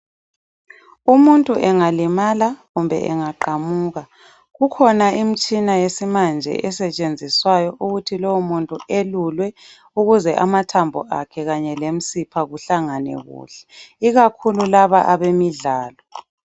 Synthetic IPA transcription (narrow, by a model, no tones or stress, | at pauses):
umuntʼuʔɛŋalimalaɣumbʱɛ̰ʔɛ̰ŋaǃamuːɣa | ɣukʰɔnaim̩t͡ʃʼinajesimand͡ʒʱɛ̰ʔɛsɛt͡ʃʼend͡zʱiswajɔʔuɣutʰilɔwumuntʼuelulwɛ | uɣuzɛʔamatʰambʱɔ̰ʔa̰kʰɛɣaɲɛlem̩sipʰaɣuɬaŋanɛ̰ɣṵːɬɛ̥iɣakʰululaβaʔaβemiɮaːlɔ